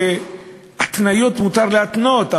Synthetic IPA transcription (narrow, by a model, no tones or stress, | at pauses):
at̪najo̞t̪mut̪aʁleat̪not̪a